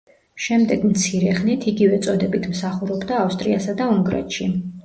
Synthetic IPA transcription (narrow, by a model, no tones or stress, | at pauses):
ʃɛmd̪ɛɡmt̪sʰiɾɛχnit̪ʰiɡivɛt̪sʼɔd̪ɛbit̪ʰmsaχuɾɔbd̪aːfst̪ʼɾiasad̪auŋɡɾɛ̰t̪ʃi